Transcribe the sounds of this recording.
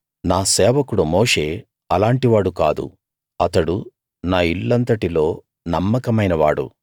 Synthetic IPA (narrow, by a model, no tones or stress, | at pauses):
naːsɛːʋɐkuɽumoːʂe̞ː | ɐlaːɳʈiʋaːɽuka̰ːd̪ṵ | ɐt̪ɐɽu | naːiɭːɐnt̪ɐʈilo̞ː | nɐmːɐkɐmɐjnɐʋa̰ːɽṵ